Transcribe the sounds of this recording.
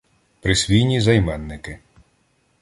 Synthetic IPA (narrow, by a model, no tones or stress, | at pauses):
pɾɪsʲʋʲijnʲizɐjmɛnːɪkɪ